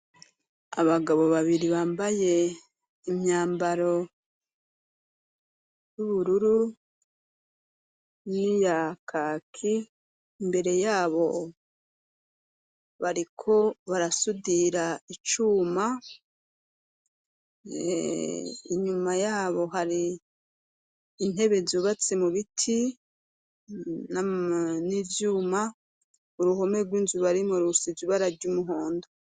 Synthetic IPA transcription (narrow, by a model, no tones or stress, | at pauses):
a̰βaɡaβo̞βaβiɾiβaːmbaje̞ | imɲaːmbaɾo̞ | juβuɾuɾu | nijakʰaːkʰiː | mbe̞ɾe̞jaːβo̞ | βaɾikʰo̞βaɾasudiɾait͡ʃuːma | ḭɲumajaːβo̞ɦaɾi | n̥he̞βe̞zuβat͡se̞muβitʰi | nnivjuːma | uɾuho̞meɡwiːnzuβaɾimuɾusiviβaɾaɾɟumuɦoːndo